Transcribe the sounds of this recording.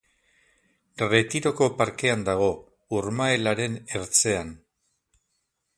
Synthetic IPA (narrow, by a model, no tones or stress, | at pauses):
re̞t̪iɾo̞ko̞paɾke̞and̪aɣ̞o̞ | uɾmae̞laɾe̞ne̞ɾt͡se̞an